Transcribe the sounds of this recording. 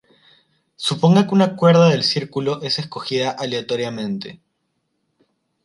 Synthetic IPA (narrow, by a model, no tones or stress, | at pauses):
supo̞ŋɡakeunakwe̞ɾðaðelsiɾkulo̞ʔe̞se̞sko̞xiðaʔaleat̪o̞ɾjamẽ̞nt̪ḛ